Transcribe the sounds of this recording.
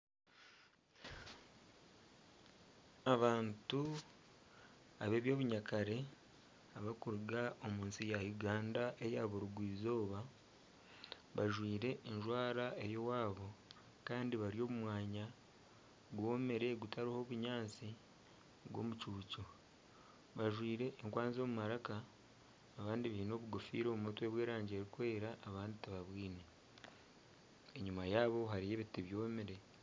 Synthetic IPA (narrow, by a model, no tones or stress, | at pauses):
aβaːntu | a̰βe̞ːβjo̞ːβuɲakʰaɾe̞ | aβakuɾɡao̞muːnsijajuɡaːndaʔe̞jaβuɾuɡwiːzo̞ːβa | βaʒwiːɾe̞ʔːnʒwaːɾaʔe̞jo̞waːβo̞ | kaːndiβaɾijo̞ːβumwaːɲa | ɡwo̞ːme̞ɾe̞ɡutaɾiho̞βuɲaːnt͡si | ɡwo̞̰mut͡ʃuːco | βaʒwiːɾe̞ʔːŋkwaːnzo̞ːmumaɾakaː | βaːndiβino̞βuɡofḭːɾo̞ːumutwe̞ːβwe̞ːɾaːɲɟeɾiukwe̞ːɾaʔːβaːnditaβaβwiːne | eɲumajaːβo̞ɦaɾije̞ːβitiβjo̞ːmeɾe̞